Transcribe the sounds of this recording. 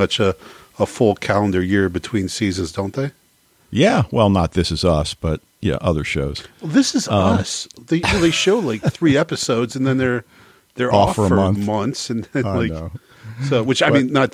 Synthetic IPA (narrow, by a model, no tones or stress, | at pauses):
ʌt͡ʃɨ | əfʊlˠkʰælˠə̃ndə˞jɪɹbɨtʰw̥ĩnsizɨ̃nzdõʊ̃nðeɪ | jæwɛlˠnət̪̚ðɪsɨzʌsb̥ʌt̚ | jæ̰ʔʌðə˞ʃo̰ʊz̥ˠðɪsɨzʌsðeɪðeɪʃoʊlaɪk̚θɹiɛpɨsoʊdzɨ̃nðɨ̃nðə˞ | ðə˞ɔfə˞ə˞ʌ̃nmʌ̃nθsɨ̃nðɨ̃nlaɪk | soʊwɨt͡ʃaɪmĩnːət̪̚